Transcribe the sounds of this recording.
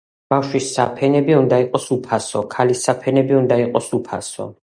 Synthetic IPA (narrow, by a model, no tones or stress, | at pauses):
b̥afʃwisːapʰɛnɛbiund̪aiqʼɔsupʰasɔkʰalisapʰɛnɛbiund̪aiqʼɔsupʰa̰sɔ̰